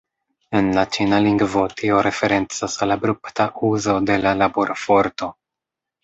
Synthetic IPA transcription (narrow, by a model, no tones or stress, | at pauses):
e̞nlat͡ʃinaliŋɡvo̞tʰio̞ɾe̞fe̞ɾe̞nt͡sasalabɾuptaʔuzo̞de̞lalaboɾʔfo̞ɾto̞